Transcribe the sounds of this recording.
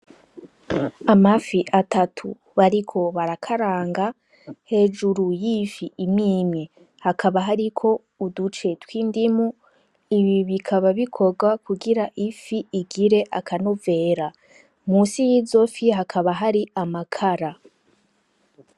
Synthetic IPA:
amafiʔatatʰṵ | βaɾikʰo̞βaɾakʰaɾaːŋɡa | he̞ʒuɾujifiimɲiːmɲe | hakʰaβaɦaɾikʰo̞ | udut͡ʃe̞twiːndimu | iβiβikʰaβaβikʰo̞ɡwakuɡiɾaʔifiːɡiɾe̞ʔakʰanove̞ːɾa | muːsijiːzo̞fiɦakʰaβaɦaɾiamakʰaɾa

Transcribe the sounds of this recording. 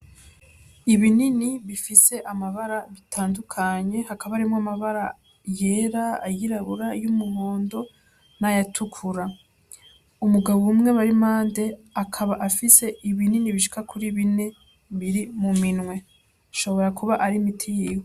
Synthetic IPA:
iβininiβifise̞ʔamaβaɾaβitʰaːndukʰaɲe̞hakaβaɾimŋoamaβaɾa | je̞ːɾaajiɾaβuɾajumuβo̞ːndo̞ | najatʰukʰuɾa | umuɡaβoumŋe̞βaɾimaːnde̞akʰaβaʔafise̞ʔiβininiβiʃi̥kakʰuɾiβine̞ | βiɾimuminwe̞ | aʃo̞βo̞ɾakʰuβaʔaɾimitʰijiːwe

